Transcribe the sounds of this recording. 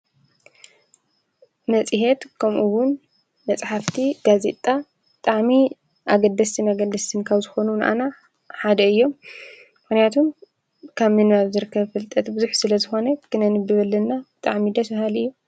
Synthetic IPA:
mɐt͡sʼiɦet̪kʰɐmʔuwʊnː | ɐt͡sʼħaft̪ʰiɡ̥aze̞t̪ʼa | b̥ɨt̪ʼaʕmi | ʔaɡɐd̪ːɐst̪ʰɨnaɡɐd̪ɐst̪ʰɨnkʰaβzɨxo̞nunʔa̰na | ħad̪ɐɨjːo̞mː | ɨxnijat̪ʰum | kʰaβmɨnaβzɨɾɨkʰːɐβfɨlt̪ʼɐt̪bɨzuħsɨlɐzɨxo̞nɐkʰɨnɐnɨbɨβɐlːɐnːabɨt̪ʼaʕmid̪ɐsbahalɨjːu

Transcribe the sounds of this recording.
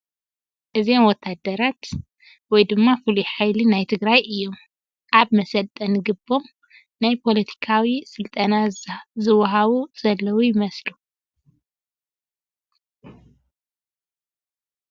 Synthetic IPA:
ʔɨzenwɔt̪ʰːad̪ɐɾat̪ | wɔjd̪ɨmːafɨlujħajlɨnajt̪ʰɨɡɾajɨjːo̞m | ʔaβmɐsɐlt̪ʼːɐnɨɡɨbːo̞m | najpʰo̞lɐt̪ʰi̥kʰawisɨlt̪ʼɐnazɨwɐɦaβuz̥ɐlːɐwujɪmɐslu

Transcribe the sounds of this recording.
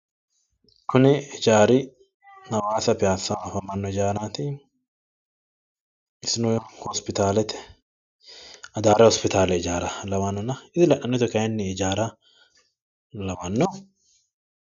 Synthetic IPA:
kʰʊnɪɪd͡ʒaːɾɪ | hɐwaːsɐpɪjaːsːɐwafɐmɐnːɔɪd͡ʒaːɾat̪ɪ | ɪsɪnɔjhɔspɪt̪aːlɛt̪ɛ̥ | ɐd̪aːɾɛhɔspɪt̪aːlɛɪd͡ʒaːɾɐlɐwɐnːɐnɐɪd̪ɪlɐʔɐnːɔt̪ɛkɐjɛnːɛɪd͡ʒaːɾɐ | lɐwɐnːɔ

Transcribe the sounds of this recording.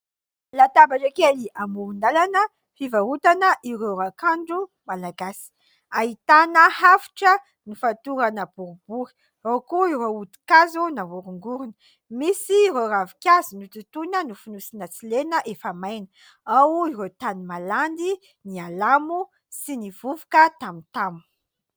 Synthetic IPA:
lat̪abaʈ͡ʂakeliʔamuɾund̪alanə | fivaut̪anəʔiɾewɾakaɳɖ͡ʐumalaɡasi̥ | aɦit̪anəhafu̥ʈ͡ʂə | nifat̪uɾanəb̥uɾubuɾi̥ | rokuiɾeud̪i̥kazunavuɾuŋɡuɾunə̥ | misiːɾeravikʲazinut̪ut̪unənufunusinət͡silenəʔefamajnə | awiɾewt̪animaland̪i | nialamu | siniv̥uvukət̪amint̪amu

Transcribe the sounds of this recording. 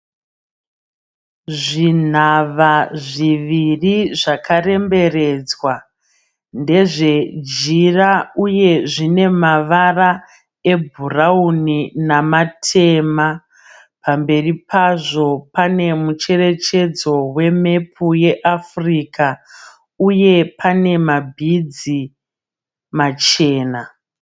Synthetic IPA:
ʐin̤aʋaʐiʋiriʐakʰare̞mbe̞re̞ːd͡zwa | nde̞ʐe̞d͡ʒirauje̞ʐine̞maʋara | ebʱurauninamatʰe̞ma | pambe̞ripaʐo̞pane̞mut͡ʃe̞re̞t͡ʃe̞d͡zo̞we̞me̞pʰuje̞ʔafriːka | uje̞pʰane̞mabʱid͡zi | mat͡ʃe̞ːna

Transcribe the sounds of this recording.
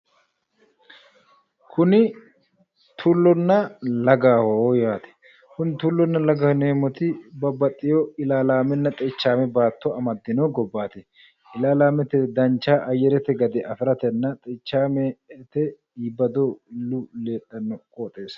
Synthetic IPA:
kʰʊnɪ | t̪ʰulːɔnːɐlɐɡaːhojaːt̪ɛ̥ | kʊnt̪ulːɔnːɐlɐɡɐhneːmɔt̪ɪbɐbɐt̪ʼːɪjɔɪlaːlaːmɛnːɐt̪ʼɛt͡ʃːaːmɛbaːt̪ʰːɔɐmɐd̪ːɪnɔɡɔbːaːt̪ɛ | ɪlaːlaːmɛt̪ɛd̪ɐnt͡ʃːaːʔɐjɛɾɛt̪ɛɡɐd̪ɛʔɐfɪɾɐt̪ɛnːɐt̪ʼɛt͡ʃːaːmɛt̪ɛ | iːbɐd̪olːʊle̞ːt̪ʼːɐnːɔkʼoːt̪ʼe̞ːs

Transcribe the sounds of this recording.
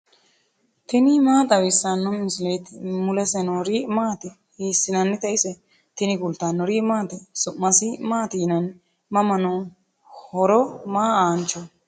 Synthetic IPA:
t̪ɪnɪmaːt̪ɐwɪsːanːɔmɪslet̪mʊlɛsɛnɔɾiːmaːt̪ɪ | hiːsːɪnɐnːɪt̪ɐʔɪsɛ | t̪ɪnɪɡʊlt̪anːɔɾiːmaːt̪ɪsʊʔːɐsɪmaːt̪iːnɐn | mɐmɐno | hɔɾɔmaːaːnt͡ʃɔ

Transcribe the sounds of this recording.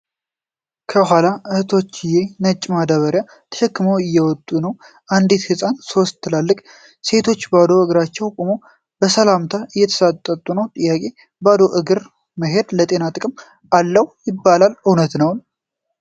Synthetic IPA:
kʰəɦʷalaʔɨhɨt̪ʰo̞t͡ʃːɪjenət͡ʃʼːmad̪aβəɾja | t̪ʰə̥ʃɨkːɨməwɪjːɛwɔt̪ʼːunəw | ʔand̪it̪hɨsʼanso̞st̪ʰːɨlalːɨkʼ | se̞t̪ʰo̞t͡ʃːbad̪oɨɡɾat͡ʃːɛwkʼomo | b̥əsəlamt̪ʰaʔɨjːɛt̪ʰə̥sat̪ʼːət̪ʼːunəwt̪ʼɨjːakʼe | bad̪o̞ʔɨɡɨɾ | məɦe̞d̪lət̪ʼe̞nat̪ʼɨkʼɨm | alːəwjɪbːalalɨwnət̪nəwn

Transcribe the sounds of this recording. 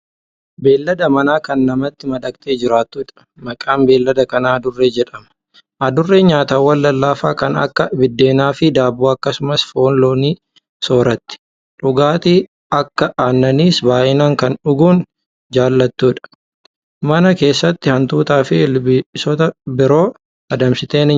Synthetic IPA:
be̞ːlːɐd̪ɐmɐnaːkɐnːɐmɐt̪ːɪmɐᶑɐkt̪ʼe̞ːd͡ʒɪɾaːt̪ːuːᶑɐ̥ | mɐkʼaːmbe̞ːlːɐd̪ɐkɐnaːd̪ʊrːeːd͡ʒɛᶑɐmɐ̥ | ʔɐd̪ʊrːeːɲaːt̪aːwːɐlːɐlːaːfa̰ːkɐnɐ̰kːɐbɪd̪ːe̞ːnaːfɪd̪aːboːɐkːɐsʊmɐsfo̞ːnlo̞ːniː | so̞ːɾɐt̪ːɪ̥ | ᶑʊɡaːt̪i | ɐkːɐʔaːnːɐniːsbaːʔɪnaːŋkɐnᶑʊɡuːn | d͡ʒaːlːɐt̪ːuːᶑɐ̥ | mɐnɐke̞ːsːɐt̪ːɪhɐnt̪uːt̪aːfɪbɪsɔt̪ɐbɪɾo̞ː | ɐd̪ɐmsɪt̪e̞ːnɪ

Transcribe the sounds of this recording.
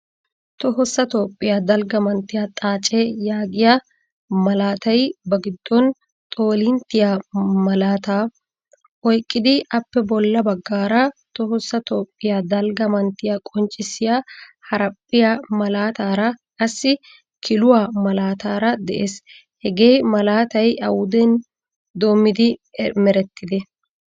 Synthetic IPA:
t̪ɔɦɔsːɐt̪oːpʼːɪjaːd̪ɐlɡɐmɐnt̪ːɪjat̪ʼaːt͡ʃʼːɛjaːɡɪja | mɐlaːt̪ɐjbɐɡɪd̪ːɔn | t̪ʼo̞ːlɪnt̪ːɪjaːmɐlaːt̪aː | ʔɔjkʼːɪd̪ɪʔɐpːɛbɔlːɐbɐɡːaːɾɐt̪ɔɦɔsːɐt̪oːpʼːɪjaːd̪ɐlɡɐmɐnt̪ːɪjaːkʼɔnt͡ʃʼːɪsɪjaːhɐɾɐpʼːɪjamɐlaːt̪aːɾɐkʼɐsːɪ | kʰɪlʊwaːmɐlaːt̪aːɾɐd̪ɛʔḛːs | hɛɡe̞ːjmɐlaːt̪ɐjʔɐwʊd̪ɛn | d̪o̞ːmːɪd̪ɪmɛɾɛt̪ːɪd̪ɛ

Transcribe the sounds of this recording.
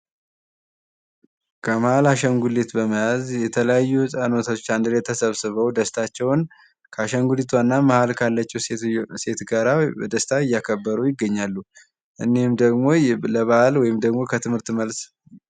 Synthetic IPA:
kʰəməhalaʃəŋɡulet̪bəməjazjɛt̪ʰələjajːuɨsʼanot̪ʰaot͡ʃːand̪ɨlet̪ʰəsəβsɨβəwd̪əst̪ʰat͡ʃːɛwn | kʰəaʃəŋɡulit̪ʰwanːaməhalkʰalːət͡ʃːɛwse̞t̪ɡaɾabəd̪əst̪ʰaɨjːakʰəbːəɾujɪɡːəɲːalːu | ʔɨnːehmd̪əɡmo̞ləβahalwɔjɪmd̪əɡmo̞kʰət̪ʰɨmhɨɾt̪ːɨməls

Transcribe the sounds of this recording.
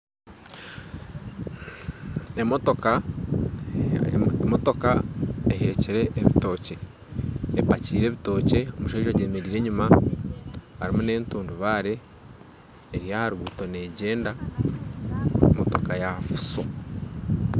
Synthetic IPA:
emo̞to̞ka | moto̞kaeɦeciɾe̞ʔːβito̞ːce̞ | epaciːɾe̞ːβito̞ːce̞omuʃaiʒaɟeːme̞ɾiːɾeɲuma | haɾimune̞ːntuːnduβaːɾe̞ | ɾijahaɾuɡuto̞ne̞ːɟe̞ːnda | mo̞to̞kajafu̥so

